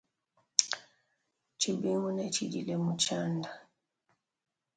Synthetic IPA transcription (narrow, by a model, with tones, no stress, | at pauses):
t͡ʃi˨bi˦ŋɡu˦nɛ˨t͡ʃi˨dḭ˨lɛ˨mu˨t͡ʃa˦nda˨